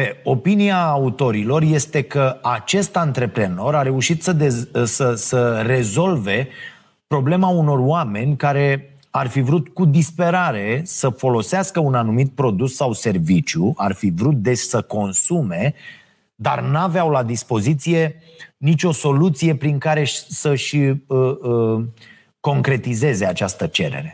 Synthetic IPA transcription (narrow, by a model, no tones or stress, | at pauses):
eo̞piniaːut̪o̞ɾilo̞rje̞st̪e̞kəat͡ʃe̞st̪ant̪ɾe̞pɾe̞no̞ɾaɾe̞uʃit̪səesəsəre̞zo̞lve̞ | pɾo̞ble̞mauno̞rowame̞nʲkaɾe̞ | arfivɾut̪kud̪ispe̞ɾaɾe̞səfo̞lo̞seaskəunanumit̪̚pɾo̞d̪usːawse̞rvit͡ʃjuʔa̰rfivɾut̪̚d̪e̞ssəko̞nsume̞ | d̪a̰rnaveawlad̪ispo̞zit̪sije̞ | nit͡ʃʲo̞so̞lut̪sije̞pɾiŋkaɾe̞səʃəə | ko̞ŋkɾe̞t̪ize̞ze̞at͡ʃast̪ət͡ʃe̞̰ɾe̞̰ɾe̞